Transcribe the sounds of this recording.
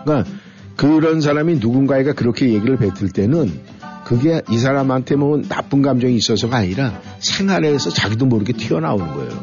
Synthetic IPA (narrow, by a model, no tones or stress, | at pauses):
k͈a | kɯɾʌns̬ʰaɾaminuɡunɡaeɡakɯɾʌkʰe̞je̞ɡiɾɯɭpe̞tʰɯɭt͈e̞nɯn | kɯɡe̞is̬ʰaɾamantʰe̞moɯnːa̰p͈unɡamd͡ʑʌŋiːs͈ʌsʰʌɡaaɲiɾa | sʰe̞ŋaɾe̞sʰʌt͡ɕaɡidomoɾɯɡe̞tʰiʌna̰onɯnɡʌ̰ḛj̰o̰